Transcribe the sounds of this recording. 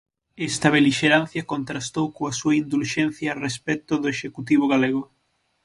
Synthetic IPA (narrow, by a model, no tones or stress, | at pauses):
ɛst̪ɐβeliʃeɾanθjɐkont̪ɾast̪owkoasuɐind̪ulʃɛnθjɐːrespɛt̪ʊðʊeʃekut̪iβ̞oɣaleɣ̞o